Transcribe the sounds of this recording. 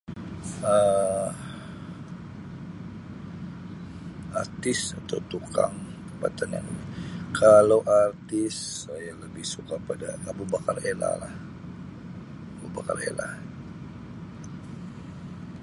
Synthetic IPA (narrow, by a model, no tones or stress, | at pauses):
ə | art̪ɪsat̪aut̪uka̰ŋt̪əpa̰t̪anja̰ŋimikʰalawʔart̪ɪsːajaləbɪhsukapadaabubakarela̰lah | abubaka̰rḛla̰